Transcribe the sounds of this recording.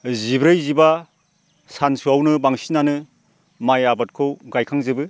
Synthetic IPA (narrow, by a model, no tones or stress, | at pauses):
zibɾɯjziba | sansuawnɯbaŋsinanɯ | majabat̚kʰɯwɡajkʰaŋzɯbɯ